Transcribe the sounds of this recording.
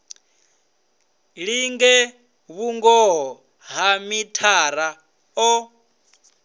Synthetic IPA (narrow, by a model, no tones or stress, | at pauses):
ɺiŋɡɛ | βuŋɡɔɦɔ | ɦamitʰaɾa | ɔ